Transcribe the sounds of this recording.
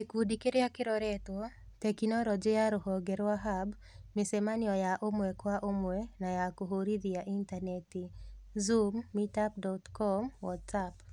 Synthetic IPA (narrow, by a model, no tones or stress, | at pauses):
ekudikeɾejakɪɾɔɾɛt̪wo | tekinɔɾɔd͡ʒejaɾohɔɡeɾwaɦab | misemanɪɔjaʔomwɛkwaʔomwɛnajakoɦoɾid̪ijaʔintanetizumːitap̚dɔtkɔmwɔtsap